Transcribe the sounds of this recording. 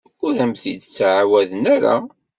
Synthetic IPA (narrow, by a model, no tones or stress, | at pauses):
ʊɾæmθḭd̪t͡sːʕawæðənæɾa̰